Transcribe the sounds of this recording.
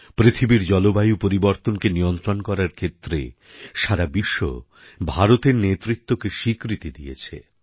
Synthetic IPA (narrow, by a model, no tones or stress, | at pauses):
pɾit̪ʰibiɾd͡ʑɔlobajupoɾiboɾt̪onkeniont̪ɾonkɔɾaɾkʰet̪ːɾḛ | ʃaɾabiʃːo̰ | bʱaɾot̪eɾnet̪ɾit̪ːokeʃikɾit̪id̪ijḛt͡ɕʰḛ